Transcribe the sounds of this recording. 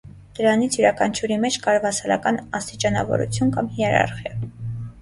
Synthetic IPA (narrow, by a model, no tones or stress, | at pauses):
d̪̥əɾɑnit͡sʰjuɾɑkʰɑnt͡ʃʰuɾimɛt͡ʃʰkɑɾvɑsɑlɑ̰kɑnɑst̪it͡ʃɑnɑ̰vɔ̰ɾṵt͡sʰjunkɑmhiɛɾɑ̰ɾχjɑ